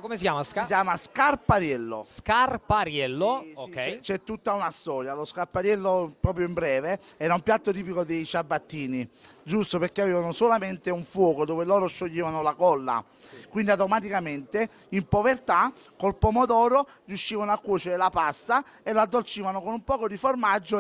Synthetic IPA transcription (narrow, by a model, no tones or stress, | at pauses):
komesikjaːmasikjaːmaskarpaɾjɛlːo̰skarpaɾjɛlːookɛt͡ʃt͡ʃɛt̪ːut̪ːaunast̪ɔːɾjaloskarpaɾjɛlːopɾɔːpɾjoimbɾɛːveɛːɾaumpjat̪ːot̪̬iːp̬ikod̪ejt͡ʃabːat̪ːiːnid͡ʒust̪opeɾk̟eaveːvanosolament̪euɱfwɔːkod̪oːvelɔːɾoʃːoʎːiːvanolakɔlːa̰ | kwind̪iat̪omat̪̬ikament̪e | impovert̪a | kolpomod̪ɔːɾo | rjuʃːiːvanoakːuːt͡ʃeɾelapast̪a | elad̪ːolt͡ʃiːvanokonumpɔːkod̪iformad͡ʒːo